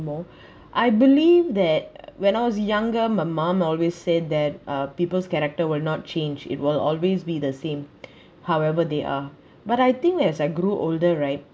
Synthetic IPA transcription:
mɔ | ʔaɪbilivd̪ɛt̚wɛ̃ñaɪwɔsjãŋɡəmaɪmãmɔlwessɛd̚d̪ɛt̚ʔʌpiːpəlskɛɾɛk̚təwɪlnɔt̚t͡ʃẽnd͡ʒɪ̰t̚wɪlɔ̰lwezbid̪əsẽm | haʊwɛvəd̪eʔa̰ | baɾajt̪ɪ̃ŋkɛzaɪɡɾuʔo̰ldəɹaɪt̚

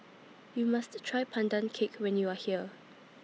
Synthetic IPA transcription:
jumasttʰːɹajpʰãndãnkʰekʰwɛ̃njuahiə

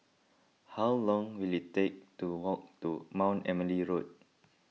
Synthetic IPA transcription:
hawlɔ̃ŋwilitek̚tuwɔk̚tumãw̃nɛməliɹot̚

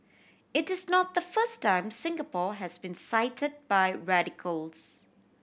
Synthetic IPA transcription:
ɪtɪznɔt̚ðəfəstãɪ̃msɪ̃ŋɡəpɔːɦɛzbĩnsaɪtʰəd̚baɪɹæɾɪkʰəlˠz

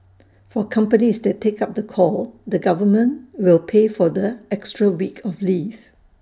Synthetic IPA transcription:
fɔkʰãmpənisdɛttʰːekap̚d̪əkʰɔldəɡavəmə̃nwɪlpʰefɔdəɛkstɹəwikʰɔfliv

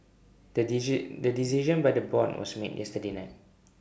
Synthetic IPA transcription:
dədisiʒə̃nbajdəbɔdwɔ̰smḛtjʔɛstədenaɪt̚

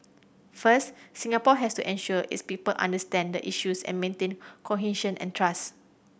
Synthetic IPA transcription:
fəssĩŋapɔɦɛstuʔɛ̃nʃuəʔḭtspipəlʔã̰ndəstɛ̃ndəʔiʃusɛ̰̃nmẽntẽnkʰɔɦĩʃə̃nʔɛ̰̃ntʰɹas

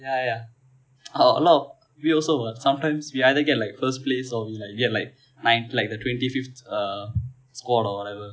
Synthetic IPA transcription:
jaja | o̰lo | ʋiɔːlsoʋəɾsʌ̃mʈãɪ̃msʋiaɪd̪əɡɛʈlaɪkfəɾsʈpleːsɔːʋiːlaɪk̚ɡɛʈlaɪk̚ | nãɪ̃nʈlaɪk̚d̪əʈwɛ̃nʈifift̪ʌ | skɔːɾɔwɔʈɛʋəɾ

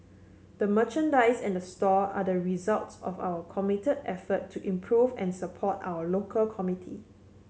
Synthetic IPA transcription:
d̥əmət͡ʃə̃ndaɪsɛ̃ndəstɔa̰dəɹizaltsɔ̰fa̰ʊwəkʰɔmitədɛfətʰːuʔĩmpʰɹuvɛ̃nsəpʰɔta̰ʊəlokʰəlkʰɔmitʰi

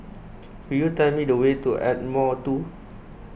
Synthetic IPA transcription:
pijutɛlmidəwetuʔɛt̚mɔtu

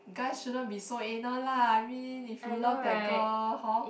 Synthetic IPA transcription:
ɡasʃudɔbisoenəlaajmĩnifjulakdɛɡəhɔ

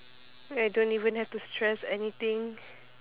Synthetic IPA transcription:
ajdõntivə̃nhɛftustʰɹɛsɛnit̪ɪ̃ŋ

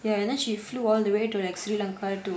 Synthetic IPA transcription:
ajɐnaːʃiːfluːɔːld̪əʋeːʈuleksɾiːlɐ̃ŋkaːɾʈu

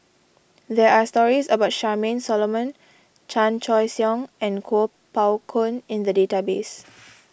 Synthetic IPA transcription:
dɛastɔɹisəbaʊt̚ʃamẽnsɔlomə̃n | t͡ʃãnt͡ʃɔjsjɔ̃ŋɛ̃nkʰo | pawkʰõnĩnd̪ədetabes

